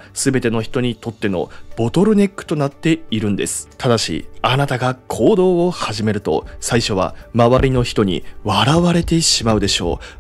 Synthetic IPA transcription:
sɨbe̞t̪e̞no̞çi̥t̪o̞ɲ̟it̪o̞t̪ːe̞no̞̰b̥o̞t̪o̞ɾɯ̟ne̞kːɯ̟̥t̪o̞nat̪ːe̞iɾɯ̟̃nd̪e̞sɨ̥t̪ʰad̪aɕḭanat̪aɡakʰo̞ːd̪o̞ːohaʑime̞ɾɯ̟t̪o̞̰saiɕo̞β̞a̰maβaɾʲino̞çi̥t̪o̞ɲ̟ḭβaɾaβaɾe̞t̪e̞ɕimaɯ̟d̪e̞ɕo̞̰ː

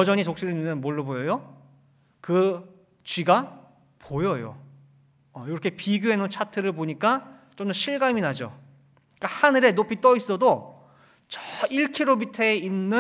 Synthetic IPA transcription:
jʌd͡ʑʌɲitok̚ɕ͈iɾɯninʌnmoɭːobojʌjo | kɯ | t͡ɕiɡa | pʰojʌjo̰ | ʌjoɾʌkʰe̞piɡjoɦenont͡ɕʰatʰɯɾɯɭboɲik͈at͡ɕ͈omdʌɕʰiɭɡaminad͡ʑo̰ | k͈ahanɯɾe̞nopʰit͈ʌis͈ʌdo | t͡ɕʌiɭkʰiɾomitʰʌeinːɯ

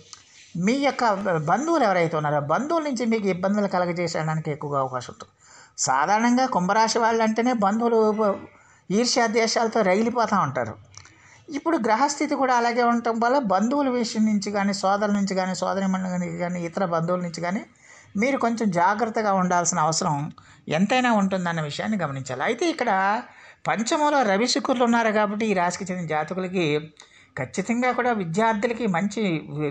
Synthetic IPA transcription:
miːjɔkːɐbɐnd̪uːlɛʋɐɾɐjt̪eːunːaːɾubɐnd̪uːlɐnuɲt͡ʃimiːkuibːɐnd̪ɐlɐkɐlɐɡɐt͡ʃɛːsa̰ːɐɽaːnikiekːuʋɐɡaːɐʋɐkaːʂɐmuɳʈund̪ | sa̰ːd̪ʱaːɾɐɳɐŋɡaːkumbɐɾaːʂiʋaːɭːɐɳʈe̞ːne̞ːbɐnd̪uːlu | iːɾʂɐɐd̪jɛːʂaːlɐt̪o̞ːɾɐjilipɔːt̪aːuɳʈa̰ːɾṵ | ipːuɽuɡɾɐɦɐst̪ʰit̪ikuːɽaːɐlaːɡe̞ːuɳʈɐmʋɐlːɐbɐnd̪uːulɐʋiʂɐnuɲt͡ʃiɡaːniːsɔːd̪ɐlɐnuɲt͡ʃiɡaːniːsɔ̰ːd̪ɐnimɐniɡaːniːt̪ɐɾɐbɐnd̪uːlɐnuɲt͡ʃiɡaːniː | miːɾuko̞ɲt͡ʃemd͡ʒaːɡɾɐt̪ːɐɡaːuɳɖaːlsinɐɐʋɐsɐɾɐm | ent̪ɐjnaːuɳʈund̪ɐnːɐʋiʂɐjaːnːiɡɐmɐniɲt͡ʃa̰ːliɐjt̪e̞ːikːɐɽɐpɐɲt͡ʃɐmɐlo̞ːɾɐʋisukuɾlunːaːɾukaːbɐʈːiiːɾaːskɐt͡ʃendinɐd͡ʒaːt̪ikulɐki | kʰɐt͡ʃːit̪ɐŋɡaːkuːɽaːʋid̪jaːɾd̪ʱjulɐkimɐɲt͡ʃi

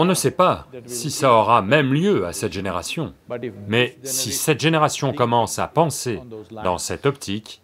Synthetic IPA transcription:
ɔ̃nəsɛpasisaɔʁamɛmljøa̰sɛt̪ʒeneʁasjɔ̃mɛsisɛt̪ʒeneʁasjɔ̃kɔmɑ̃sa̰pɑ̃sed̪ɑ̃sɛt̪ɔpt̪ʰik

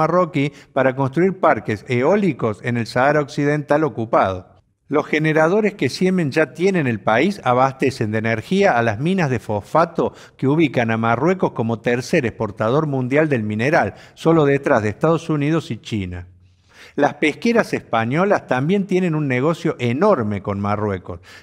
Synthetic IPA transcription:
arokipaɾak̬o̞nst̪ɾuiɾpaɾkeseo̞liko̞se̞nelsaaɾaoksið̞e̞nt̪alo̞kupað̞o̞̰ | lo̞sxeneɾað̞o̞ɾeskesjemẽ̞nʒat̪je̞ne̞nelpaisaβast̪ese̞nd̪eneɾxiaːlazmĩnazð̞efo̞fat̪o̞ | keuβ̞ikanamarweko̞sko̞mo̞t̪eɾseɾespo̞ɾt̪að̞o̞ɾmũnd̪jald̪elmĩneɾalso̞lo̞ðet̪ɾazð̞eest̪að̞o̞sunið̞o̞sit͡ʃina | laspehke̞ɾasespaɲo̞last̪ambje̞nt̪je̞ne̞nunːeɣ̞o̞sjo̞ʔeno̞ɾme̞ko̞nmarwe̞ko̞s

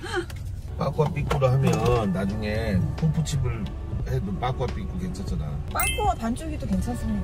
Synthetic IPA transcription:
p͈ak͈wap͈ik͈uɾoɦamjʌnːad͡ʑuŋe̞pʰupʰut͡ɕʰibɯɭ | hedop͈ak͈wap͈ik͈oke̞nt͡ɕʰat͡ɕ͈andap͈ak͈uwatant͡ɕ͈ʰuɡidoke̞nt͡ɕʰans͈ɯmɲid

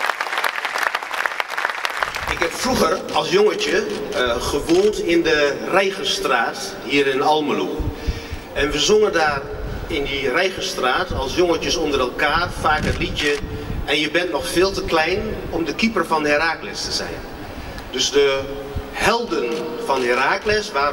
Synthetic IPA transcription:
ʔɪkɦɛpfruxərɔlˠsjoŋət͡ʃəɣəʋoːntɪndərɛjɣəstraːt | hiːəɾɪnɔlˠməlu | ɛnʋəzoŋəndaːr | ɪndirɛjɣəstraːtɔlˠsjoŋət͡ʃəsondəɾɛlˠkaːrfaːkətlitjəʔɛnjəbɛntnɔxfɪːlˠtəklɛjnɔmdəkipərfɔndəɪɾaːklɪstəzɛ̰jn | døsdə | hɛlˠdənfɔndəɾaːklɪsʋaː

